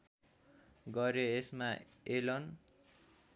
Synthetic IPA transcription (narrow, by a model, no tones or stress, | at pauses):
ɡʌɾjoesmaelʌn